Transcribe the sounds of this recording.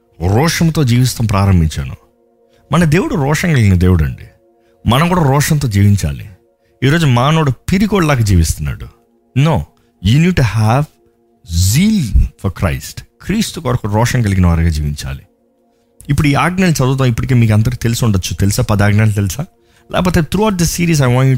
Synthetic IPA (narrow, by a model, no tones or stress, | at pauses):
ɾɔːʂɐmt̪o̞ːd͡ʒiːʋist̪ɐmpɾaːɾɐmbʱiɲt͡ʃa̰ːnṵ | mɐnɐd̪e̞ːwuɽuɾɔːʂɐŋkɐliɡinɐd̪e̞ːwuɽɐ̰ɳɖḭ | mɐnɐmkuːɽaːɾɔːʂɐnt̪̬o̞ːd͡ʒiːʋiɲt͡ʃa̰ːlḭ | iːɾoːd͡ʒumaːnoːɽupiɾiɡoːɽlaːkɐd͡ʒiːʋist̪unːa̰ːɽu | noː | juːniːɖ̚ʈuhæʋ | ziːlfɔɾkɾɐ̰jsʈkɾiːst̪ukɐɾɐkuɾɔːʂɐŋkɐliɡinɐʋɐːɾɐɡad͡ʒiːʋiɲt͡ʃa̰ːli | ipːuɽuiːaːɡnɐlt͡ʃɐd̪uːt̪̬ːɐipːuɽikeːmiːkɐnd̪ɐɾut̪elisuɳɖɐt͡ʃːut̪e̞lisaːpɐd̪aːɡnaːlt̪elisaː | lʔɛ̰ːkɐp̬oːt̪et̪ʰɾuɐwʈ̚d̪ɐsiːɾiːs̬ajʋãːɳu